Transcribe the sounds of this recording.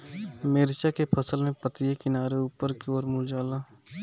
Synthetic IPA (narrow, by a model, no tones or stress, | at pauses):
meːɾɪt͡ʃakepʰəsəlmẽpət̪ijekɪnaːɾeuːpəɾkeoːɾmʊld͡ʒaːlaː